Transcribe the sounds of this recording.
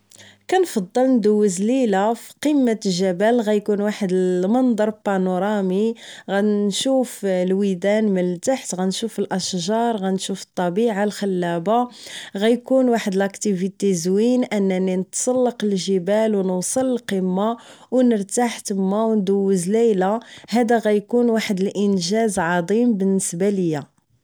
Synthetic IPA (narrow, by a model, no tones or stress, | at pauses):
kænfɑd̪ˤːəlnd̪ʊwːəzlilafi̥qimːaʒæbælɣæjkunwaħəd̪əmɑnd̪ˤɑɾˤpɑnoɾˤɑmiɣænʃuflwid̪ænməlt̪aħt̪ɣænʃufəlʔəʃʒɑɾˤɣænʃufə̥t̪ˤːɑbiʕalxəlːæbaɣæjkunwaħəd̪əlʔækt̪ivit̪ezwinʔənːæninət̪sˤɑlːəqəlʒəbælwnəwsˤəlːqəmːa | wnəɾt̪aħt̪əmːawnd̪əwːəzlæjlahæd̪æɣæjkunwaħəd̪əlʔənʒæzʕɑd̪ˤimbənːəsbaləjːa